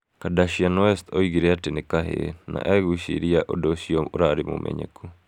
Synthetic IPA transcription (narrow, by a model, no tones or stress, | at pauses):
kadaʃianɔɛstɔiɣiɾɛatenekaɦḛna̰ʔaɣuʃiɾiaʔodɔʃiɔoɾaɾemo̰mʔɛ̰ɲɛ̰ku